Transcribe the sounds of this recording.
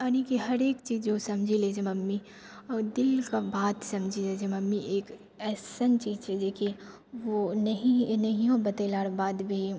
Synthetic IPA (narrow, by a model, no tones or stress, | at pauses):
ɐnĩkiɦɐɾeːkt͡ʃiːzd͡ʒosɐmd͡ʒʱileːd͡ʒemɐmːi | ɔːɾd̪ɪlkabaːt̪sɐmd͡ʒʱileːd͡ʒemɐmːiʔeːk | ɛːsənt͡ʃiːzt͡ʃʰɛd͡ʒeːkʰie | ʋonɐɦinɐɦijõbɐt̪elaːɽbaːd̪bʱi